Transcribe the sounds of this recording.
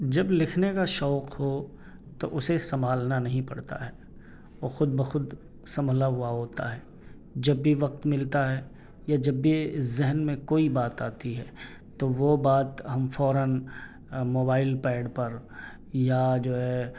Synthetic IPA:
d͡ʒɐblɪkʰnekaʃɔːqho | t̪o̰ʔʊsesɐmʱaːlnanɐɦĩpɐ̰ɽt̪a̰ɦɛː | oːxʊd̪̚bəxʊd̪ | sɐ̃mbʱlaɦʊaɦoːt̪a̰ɦɛː | d͡ʒɐbːiʋɐq̚t̪mɪlt̪aɦɛː | jad͡ʒɐbːizɪɦənmẽkoːibaːt̪aːt̪iɦɛː | t̪oʋobaːt̪ɦɐmfɔːɾən | moːbaːɪlpɛːɖpɐɾ | jad͡ʒoːɦɛ

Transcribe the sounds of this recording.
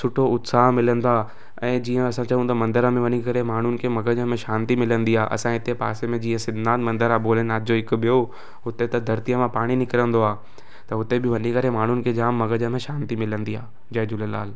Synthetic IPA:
sʊʈʰoʊt̪saːɦmɪlə̃nd̪aː | ɛ̃ːd͡ʑiːə̃ɐsãt͡ɕɐʋũt̪ɐmɐ̃nd̪əɾəmẽʋɐɲikɐɾemaːɳ̤ʊnɪ̆kʰemɐɡəd͡ʑəmẽʃaːnt̪imɪlə̃nd̪iaːʔɐ̰sãɦɪt̪epa̰ːsemẽd͡ʑĩːə̃sɪd̪ʱnaːt̪mɐ̃nd̪əɾaboːlənaːt̪d͡ʑoɪkʊ̆bijo | ɦʊt̪et̪ɐd̪ʱɐɾt̪ijəmãpaːɽ̃inɪkɪɾə̃nd̪oaː | t̪ɐɦʊt̪ebɪʋɐɲikɐɾemaːɳ̤ʊnɪ̆kʰed͡ʑaːmːɐɡəd͡ʑəmẽʃãːnt̪imɪlə̃nd̪iaː | d͡ʑɐjd͡ʑʊləla̰ːl

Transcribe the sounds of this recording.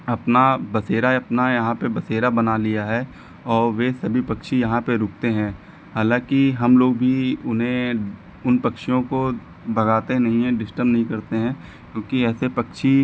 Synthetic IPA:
ɐpnabɐseːɾaɐpnajɐɦãpebɐseːɾabɐnalijaɦɛː | ɔːɾʋesɐbʱipɐkʃijɐɦãpeɾʊːk̚t̪eɦɛ̃ː | haːlãːkiɦɐmloːɡ̚bʱiʊnɦẽ | ʊnpɐkʃijõko | bʱɐɡaːt̪enɐɦĩɦɛ̃ɖɪsʈəɾbnɐɦĩkɐɾt̪eɦɛ̃ː | kjõːkiɛːsepɐkʃi

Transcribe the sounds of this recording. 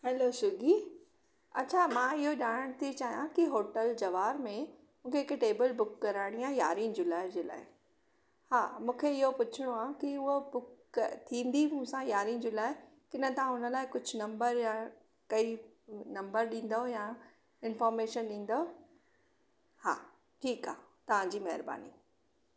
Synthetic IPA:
hɛlosʊɡi | ɐtːt͡ɕʰamãɪɦoʄaːɽ̃əɽ̃t̪ʰit͡ɕaːɦijãkiɦoːʈəld͡ʑɐʋaːɾmẽ | mũːkʰeːkʈeːbəlbʊkːɐɾaːɽ̃ijãja̰ːɾĩnd͡ʑʊːlaːɪd͡ʑeːla̰ːɪ | haːmũːkʰeɪɦopʊt͡ɕʰɪɽ̃oaːkiʊɦobʊkt̪ʰĩːnd̪imũsãjaːɾĩːnd͡ʑiːlaːɪkɪnət̪ɐãʊnəlaːɪkʊd͡ʑʱʊnɐ̃mbəɾja | kɐi | nɐ̃mbəɾɗĩːnd̪oɦoja | ɪnfɔːɾmeːʃənɗĩːnd̪oɦ | ha̰ː | ʈʰiːka̰ːɦt̪ɐʋ̤ãɲd͡ʑiːmɐɦɪɾba̰ːnḭ

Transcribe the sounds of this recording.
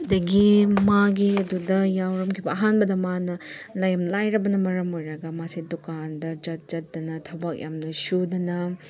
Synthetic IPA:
ɐdɐɡimaɡiɐdudɐjawɾɐmkʰibɐɐɦanbɐdɐmanɐlajɐmlajɾɐbɐnɐmɐɾɐmojɾɐɡɐmasidukandɐd͡ʒɐt̚zɐt̚d̥ɐnɐtʰɐwbɐk̚jʔamnɐsudɐnɐ

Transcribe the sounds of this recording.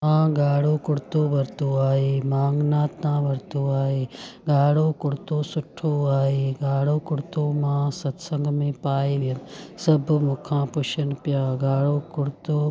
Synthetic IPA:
mãːɡaːɽoːkʊɽt̪oʋɐɾt̪oaːɦeːmaːŋɡnaːt̪ːãːʋɐɾt̪oːaːɦeːɡaːɽoːkʊɽt̪oːsʊʈʰoːaːɦeːɡaːɽoːkʊɽt̪oːmãːsɐt̪sə̃ŋɡmẽːpaːiʋɪjənɪ̆sɐbʱmʊ̃kʰãːpʊʃənpjaːɡaːɽoːkʊɽt̪oː

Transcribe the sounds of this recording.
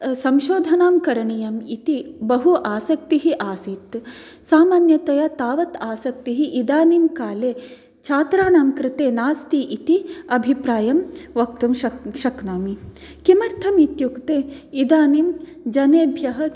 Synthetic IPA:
sɐmʃoːd̪ʱɐnaːmkɐɾɐɳijɐmit̪ibɐɦuʔaːsɐk̚t̪iɦiʔaːsit̪ | saːmaːnjɐt̪ɐjɐt̪aːʋɐt̪aːsɐk̚t̪iɦiʔid̪aːnimkaːleː | t͡ʃʰaːt̪ɾaːnaːmkɾɪt̪eːnaːst̪iʔit̪iɐbʱipɾaːjɐmʋɐkt̪umʃɐʃɐknaːmikimɐɾt̪ʰɐmit̪jukt̪eːid̪aːnim | d͡ʒɐneːbʱjɐɦɐ

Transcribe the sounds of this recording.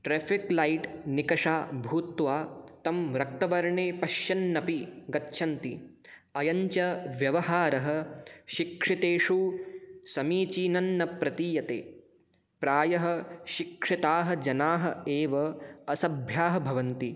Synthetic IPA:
ʈɾeːfiklɐjʈnikɐʂaːbʱuːt̪ʋaːt̪ɐmɾɐkt̪ɐʋɐɾɳeːpɐʃjɐnːɐpiɡɐtːʃʰɐnt̪i | ɐjɐɲt͡ʃɐʋjɐʋɐɦaːɾɐɦɐ̆ʃikʂit̪eːʂu | sɐmiːt͡ʃiːnɐnːɐpɾɐt̪iːjɐt̪eː | pɾaːjɐɦɐ̆ʃikʂit̪aːɦɐ̆d͡ʒɐnaːɦɐ̆eːʋɐɐsɐbʱjaːɦɐbʱɐʋɐnt̪i

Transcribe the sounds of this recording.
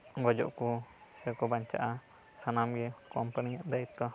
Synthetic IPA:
ɡɔd͡ʒɔ̰ʔkusɛakɔbaɲt͡ʃa̰ʔa | sanamɡɛkɔampəniŋɛʔd̪ait̪ːɔ

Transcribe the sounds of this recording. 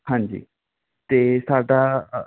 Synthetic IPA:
hãːnd͡ʒḭː | t̪eːsaːɖaː

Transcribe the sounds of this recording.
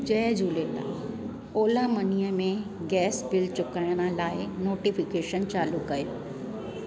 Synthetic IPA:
d͡ʑɐːd͡ʑuːlet̪ã̰ | oːlamɐnijəmẽ | ɡɛːsbɪlt͡ɕʊkajəɽ̃əlaːɪnoːʈifɪkeːʃənt͡ɕaːlukːɐjoː

